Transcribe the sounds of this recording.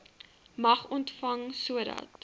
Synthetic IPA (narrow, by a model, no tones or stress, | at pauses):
mɐχɔntfɐŋsuədɐ̰t